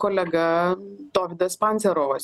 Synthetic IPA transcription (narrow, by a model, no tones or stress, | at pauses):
koːlʲɛɡɐd̪oːʋʲɪd̪ɐspanʲsʲɛɾoːʋɐs